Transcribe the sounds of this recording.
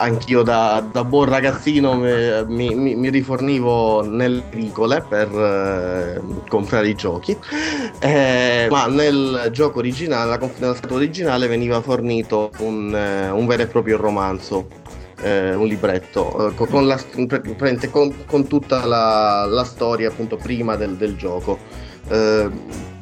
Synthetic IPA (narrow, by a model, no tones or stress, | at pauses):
aŋk̟iːod̪ad̪abwɔnraɡat̪sːiːnommimimiriforniːvoneleɾiːkoleper | kompɾaːɾeid͡ʒɔːk̟i | maneld͡ʒɔːkoːɾid͡ʒinaːlelakoɱfnelaskaːt̪aːɾid͡ʒinaːleveniːvaforniːt̪ounuɱvɛːɾoepːɾɔːpɾjoromant̪so | ɛunlibɾɛt̪ːo̰kkonlaspɾɛnt̪ekonkont̪ut̪ːalalast̪ɔːɾjaːpːunt̪opɾiːmad̪eld̪eld͡ʒɔːko